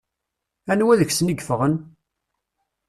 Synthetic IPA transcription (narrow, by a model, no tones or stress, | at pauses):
ænwæðəçsəniɡfəʁən